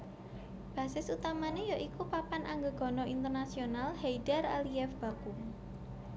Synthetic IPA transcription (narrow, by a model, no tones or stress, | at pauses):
b̥ä̤sɪsut̪amanejaʔikupapanʔaŋɡəɡ̥ɔ̤nɔint̪ərnasionalheidaraliɛfb̥a̤ku